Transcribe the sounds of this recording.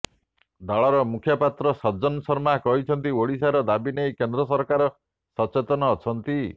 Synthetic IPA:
d̪aɭɔɾɔmukʰjɔpat̪ɾɔsɔd͡ʒɔnsɔɾmakɔɦit͡ʃʰɔnt̪ioɽis̬aɾɔd̪abinejkend̪ɾɔsɔɾkaɾɔ | sɔt͡ʃet̪ɔnɔːt͡ʃʰɔnt̪i

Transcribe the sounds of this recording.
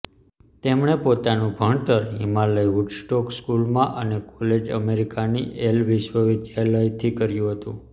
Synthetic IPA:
t̪emɳ̃epot̪anũbʱəɳt̪əɾɦimaləiɦuʈsʈɔkskulmãʔənekɔled͡ʒə̰meɾikanḭʔelʋiʃwəʋid͡ʒ̪jaləjt̪ʰikəɾjũɦət̪ũ

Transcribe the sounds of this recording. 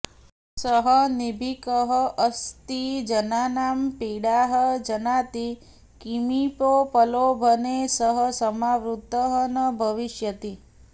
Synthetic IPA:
səɦənibʱikəɦəʔɐst̪id͡ʒɐnaːnaːmpiːɽaːɦəd͡ʒɐnaːt̪i | kimipopɐloːbʱɐnesəɦəsɐmaːʋɾut̪ːəɦənɐbʱɐʋiʃjɐt̪i

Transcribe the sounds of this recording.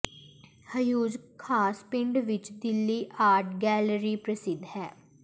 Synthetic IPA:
həjuːd͡ʒkʰaːspɪ̃ɳɖʋɪt͡ʃd̪ɪlːiːʔaːɾʈɡɛːləɾiːpɾəsɪd̪hɛː

